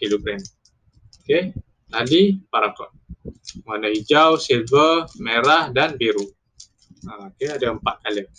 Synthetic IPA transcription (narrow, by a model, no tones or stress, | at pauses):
kiloɡɾɛm | oke | ladipaɾakɔt̪̚manahid͡ʒawsilvəmeɾahdanbiɾu | aokeadaəmpat̪̚kalə